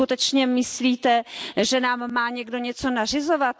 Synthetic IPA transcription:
ut̪ɛt͡ʃɲɛmɪsliːt̪ɛʒɛnaːmːaːɲɛɡdo̞ɲɛt͡so̞nar̝ɪzovat̪

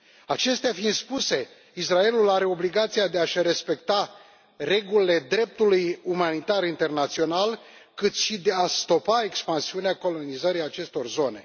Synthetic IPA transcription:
at͡ʃe̞st̪eafind̪spuse̞ | israe̞lulaɾe̞o̞bliɡat̪siad̪e̞aʃre̞spe̞kt̪a | re̞ɡulile̞d̪ɾe̞p̚t̪ulujumanit̪aɾint̪e̞rnat̪sio̞nal | kɨt̪ʃid̪east̪o̞pae̞kspansiuneako̞lo̞nizəɾiat͡ʃe̞st̪o̞rzo̞ne̞̰

